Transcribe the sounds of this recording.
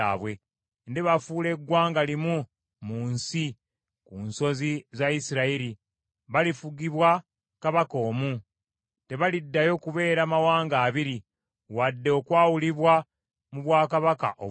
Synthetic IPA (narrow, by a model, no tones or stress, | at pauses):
a̰βwe̞ | ndeβafuːle̞ɡːwaːŋɡalimu | muːnsi | kunso̞zizaisiɾaiɾi | βalifuɡiβwa | kaβako̞ːmu | te̞βalidːajo̞kuβe̞ːɾaːmawaːŋɡaːβiɾi | wadːe̞okwaːwuliβwa | muβwaːkaβaka̰ʔo̰